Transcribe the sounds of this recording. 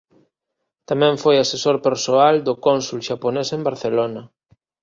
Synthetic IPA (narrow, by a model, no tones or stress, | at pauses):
t̪amɛ̃ɱfojasesoɾpeɾsoald̪ʊkonsulʃaponesembaɾθelonɐ